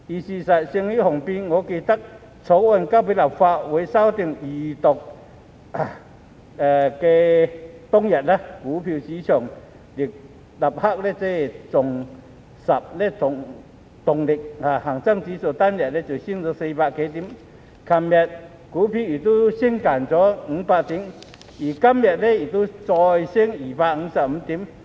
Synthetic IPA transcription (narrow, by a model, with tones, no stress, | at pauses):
ʔi˨˩ɕi˧sa˨˩t̚ɕi˧ŋli˦˥ʔhɔ˨˩ŋpi˧ŋɔ˨˧˦ki˧t̪a˦˥k̚ | t͡sʰo˨˦ʔwa˧˨nka˧˥˩pi˧˦la˨˩p̚fa˧ʔwe˨˦sa˧˥wt̪i˧˩ŋʔi˨˩t̪ɔ˨˩k̚ | ʔa˧˨ | a˨˩ke˧t̪ʊ˥ŋja˨t̚la˧˦kuː˨˦pʰi˧wt͡ɕi˧˦t͡ɕʰɔ˨˩ŋ | li˨˩k̚ | la˨˩p̚ha˥k̚le˧t͡se˧˩˨t͡sʊ˨˩ŋ | sa˨˩p̚le˧˩t̪ʊ˨˧ŋ | t̪ʊ˨˩ŋli˨˩k̚a˨˩ha˨˩ŋt͡sa˥˧˨ŋt͡ɕi˨˦so˨˩t̪a˥˨nja˨˩t̚lɛ˦˥t͡ɕi˨˩ɕi˥˧˨ŋt͡sɔ˧˦se˧pa˧ʔke˨˦t̪i˨˦m | kʰa˧˩mmjɛ˨t̚ | kuː˨˦pʰi˧i˨˩t̪u˦˥ɕi˥ŋka˨˩nt͡sɔ˨˦ŋ̩˧˦pa˧ʔt̪i˨˦ŋ | ʔi˨˩ka˧˥mːjɛ˨˩t̚le˧˩i˨˩t̪u˦˥˦t͡sɔ˧jɕi˥əŋiː˨˩pa˧ʔŋ̩˧˦sa˨˩p̚m̩˧˦t̪i˨˦m